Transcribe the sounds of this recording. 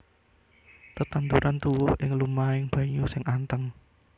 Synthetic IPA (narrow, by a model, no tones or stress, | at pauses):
t̪ət̪ant̪uɾʔant̪uwʊhɪŋlumaɪŋb̥ä̤ɲusɪŋʔant̪əŋ